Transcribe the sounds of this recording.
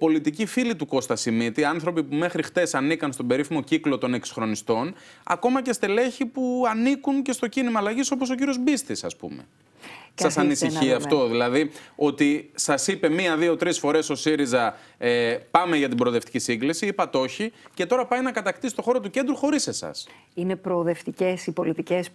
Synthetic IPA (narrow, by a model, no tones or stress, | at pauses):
po̞lit̪icifilit̪uko̞st̪ɐsimit̪iɐnθɾo̞pipume̞xɾixt̪e̞sɐnikɐnst̪o̞be̞ɾifimo̞ciklo̞t̪o̞ne̞kso̥xɾo̞nist̪o̞n | ɐ̰ko̞mɐce̞st̪ele̞çipuɐnikunce̞st̪o̞cinimɐːlɐʝiso̞po̞s̬o̞c̬iɾio̞zbist̪isɐ̰spṵmḛ | sɐsɐnisiçiɐft̪o̞ðilɐðio̞t̪isɐsipe̞miɐðio̞t̪ɾisfo̞ɾe̞so̞siɾizɐepɐme̞ʝɐt̪ibɾoðe̞ft̪i̥cisiŋɡlisiipɐt̪o̞çice̞t̪o̞ɾɐpɐjnɐkɐt̪ɐkt̪isi̥t̪o̞xo̞ɾo̞t̪uce̞nd̪ɾuxo̞ɾise̞sɐ̰s | inepɾoːðe̞ft̪icesipo̞lit̪ices